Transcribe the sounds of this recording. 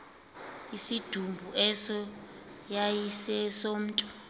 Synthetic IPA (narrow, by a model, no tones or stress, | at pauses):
isid̥ʱumbʱuʔɛsɔjajisɛsom̩ːtʼɔ̥